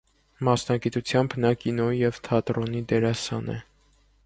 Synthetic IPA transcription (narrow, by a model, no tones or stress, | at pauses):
mɑsnɑɡit̪ut͡sʰjɑmbnɑkinɔijɛvt̪ʰɑt̪ɾɔnid̪ɛɾɑsɑ̰nɛ̰